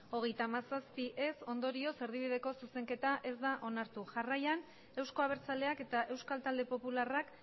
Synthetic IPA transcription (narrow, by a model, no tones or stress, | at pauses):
o̞ɣ̞e̞jt̪aːmasaspiʔe̞so̞nd̪o̞ɾio̞se̞ɾðiβ̞ið̞e̞ko̞suse̞ŋke̞t̪aʔe̞zd̪aʔo̞naɾt̪uʝarajan | e̞wsko̞aβ̞e̞ɾt͡sale̞ake̞t̪aʔe̞wskalt̪ald̪e̞po̞pularak